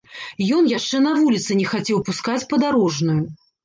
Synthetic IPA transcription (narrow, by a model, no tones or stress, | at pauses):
jɔnjaʂt͡ʂɛnɐvulʲit̪sɨnʲɛxat͡sʲɛwpuskat͡sʲpɐd̪aɾɔʐnuju